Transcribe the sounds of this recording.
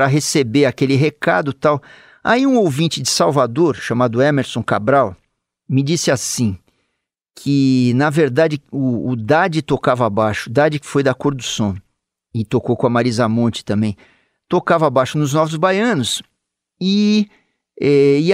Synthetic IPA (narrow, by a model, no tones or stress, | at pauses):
ɾɐɦesebeɾakelɪɦeka̰d̪ʊt̪aw | a̰iũowvĩnt͡ʃɪd͡ʒɪsawvad̪oɾʃamad̪ʊɛmeɾsõkabɾaw | mɪd͡ʒisɪasĩ | kʰɪnɐveɾd̪ad͡ʒɪʊːd̪ad͡ʒɪt̪okavɐabaʃʊd̪ad͡ʒɪkɪ̥fojd̪akoɾd̪ʊsõ | ɪt̪okowkõɐmaɾizɐmõt͡ʃɪ̥t̪ɐ̃mbẽj̃ | t̪okavɐabajʃʊnʊznɔvʊzbajɐ̃nʊs | ɪ | ɛɪ